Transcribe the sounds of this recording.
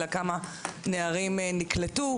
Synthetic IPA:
lakamaneaʁimnikletu

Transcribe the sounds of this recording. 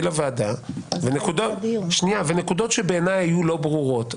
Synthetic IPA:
lavaːdavenekud̪oʃniavenekud̪o̞tʃebeːnajhajulo̞bʁuʁo̞t

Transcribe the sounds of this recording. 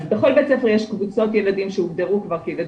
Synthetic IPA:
be̞χo̞lbet͡sefeʁjeʃkvut͡so̞t̪jelad̪imʃeuvd̪eʁukvaʁkielad

